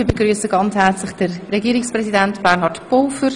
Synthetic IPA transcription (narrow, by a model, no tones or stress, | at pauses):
iːbəɡʁyːsəɡɑnt͡shɛrt͡slɪχd̥əɾːɛɡiːɾɪkspʁɛzidɛntb̥ɛʁnhɑtb̥oːfəɾ